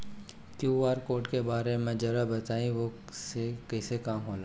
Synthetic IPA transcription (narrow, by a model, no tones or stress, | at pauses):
kjuːaːɾkoːɾʈkebaːɾemẽd͡ʒɐɾabɐt̪aːĩʋo | sekɛɪsekaːmɦoːlaː